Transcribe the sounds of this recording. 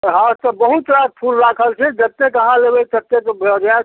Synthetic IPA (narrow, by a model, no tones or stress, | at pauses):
ɦãt̪ɔbəɦut̪ɾad̪̚pʰulɾakʰəlt͡ʃʰɛd͡ʒət̪ːekəɦãlebəjt̪ət̪ːet̪ɔbʱd͡ʒa